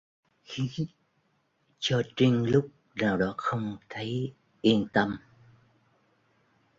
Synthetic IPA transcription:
xi˧˥˦ | t͡ɕɔ˧t͡ɕi˧ŋ̟lʊ˦˥k͡p̚ | naː˨˩wɗɔ˨˦xə˧wŋ͡mt̪ʰə˨˦j | ʔi˧nt̪ə˧m

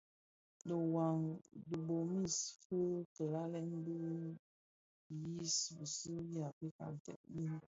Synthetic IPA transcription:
də˨wa˨ŋdə˨bo˨mi˦sfə˦tə˨la˦lɛ˦nbə˦˨ | ji˦sbə˨sə˦ji˦a˨pi˦ka̰˨n˨tɛ̰˦˨ʔ̚ji˦n˦

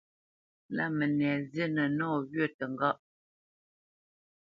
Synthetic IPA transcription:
la̰˦˨mə˨nɛ˨zjə˦nə˨nɔː˦˨ɣɥə˦˨tə˨ŋɡɔ˦ʔ

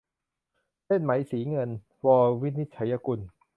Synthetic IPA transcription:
se˥˩nma˩˦jsiː˩˦ŋɤ˧n | wɔː˧wi˦˥t̪̚ni˦˥t̪̚t͡ɕʰa˩˦jːa˧ku˧n

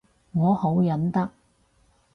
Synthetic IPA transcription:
ŋɔː˨˧ho˨˥wjɐ˨˥nt̪ɐ˥k̚

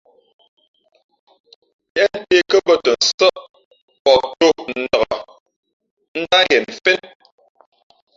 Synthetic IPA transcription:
jɛ˦n̩˦te˦kə˦bə˦tɔ˨n̩˨sɔ˦ʔ | pɔ˨to˦˨k̚nn̩˨də˨ɣɔ˨ | n̩˦da˦jɛ˨m̩˨fe˦t̚

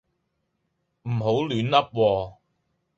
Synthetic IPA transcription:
m̩˨˩ɦo˨˥wlyː˨˥nlɐ˥p̚wɔː˧

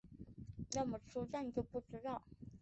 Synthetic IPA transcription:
na˥˩mə˨˩ʂɔ˥na˥˩n˨˩t͡ɕjo˥˧ʊpu˥˩ʈ͡ʂɻ̩˥t̪ɑ˥˩ʊ

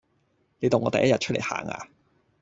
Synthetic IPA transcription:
ne˨˧jt̪o˨˩ŋːɔː˧ɐ˨jɐ˥jɐ˨t̚t͡ʃʰɵ˥le˨˩ha̰ː˨˩ŋa̰ː˧

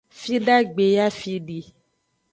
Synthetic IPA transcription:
fi˦ɖa˦ɡ͡be˨ja˦fi˧ɖi˨

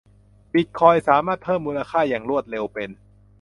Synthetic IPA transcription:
bi˨˩t̪̚kʰɔː˧jsaː˩˦maː˥˩t̪̚pʰɤː˥˩mːuː˧nla˧kʰaː˥˩jaː˨˩ŋɾu˥˩ət̪̚le˧wpe˧n

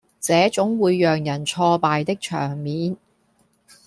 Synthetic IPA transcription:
t͡sɛː˨˥t͡sʊ˨˥ŋwuː˨˧jːœː˨ŋjɐ˨˩nt͡sʰɔː˧paː˨jt̪ɪ˥k̚t͡ʃʰœ̰ː˨˩ŋmiː˨˥n

